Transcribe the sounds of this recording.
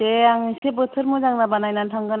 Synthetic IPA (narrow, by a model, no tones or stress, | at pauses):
eaŋisebɯtʰɯɾmuzaŋnabanajnantʰaŋɡan